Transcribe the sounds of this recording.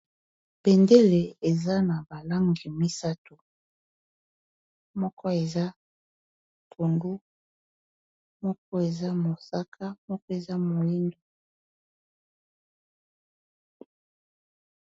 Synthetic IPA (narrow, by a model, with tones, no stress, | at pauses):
pɛ˨nde˦le˨e˨za˦na˨ba˨la˦ŋɡi˨mi˦sa˦tu˨ | mɔ˦kʰɔ˦e˨za˦ | tʰo˨ndu˦ | mɔ˦k̚ɔ˦e˨za˦mo˨sa˦kʰa˦mɔ˦kɔ˦e˨za˦mo˨li˦ndo˦